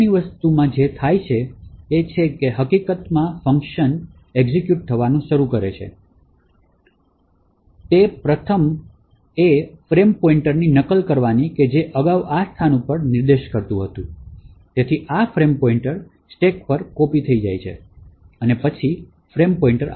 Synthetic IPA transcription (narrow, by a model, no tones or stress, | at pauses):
iʋəst̪umãd͡ʒet̪ʰajt͡ʃʰeːt͡ʃʰekeɦəkikət̪mãfəŋkʃən | eɡzikjuʈ̚t̪ʰəʋanũʃəɾukəɾet͡ʃʰḛ | t̪epɾət̪ʰəm | efɾempɔiɳʈəɾninəkəlkəɾʋaniked͡ʒeʔəɡaʋast̪ʰanũpəɳnɪɾd̪eʃkəɾt̪ũɦət̪ũ | t̪et̪ʰiʔafɾempɔiɳʈəɾ | sʈekpəɾkopit̪ʰəid͡ʒa̰jt͡ʃʰḛ | ənepət͡ʃʰi | fɾempɔĩɳʈəɾ